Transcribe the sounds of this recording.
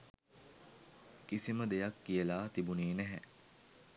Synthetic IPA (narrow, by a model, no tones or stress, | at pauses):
kisiməd̪ejɐkːijəlaːt̪ibuniːnæɦɛ